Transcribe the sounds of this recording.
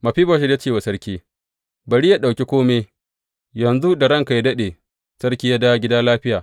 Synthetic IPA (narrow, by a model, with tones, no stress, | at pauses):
mɐ˨ɸi˦bo˨ʃɛ˦ja˦t͡ʃeː˦˨wa˨sɐ˦ɽkʲiː˦ | bɐ˨ɽi˦ja˦ɗa˨wkʲi˦kʷoː˦me˦ | jɐ˨nzu˦da˨ɽɐ˦ŋka˨ja˦dɐ˦ɗeː˨ | sɐ˦ɽkʲiː˦ja˦daː˦ɡʲɪ˦daː˦laː˦ɸɪ˦jaː˨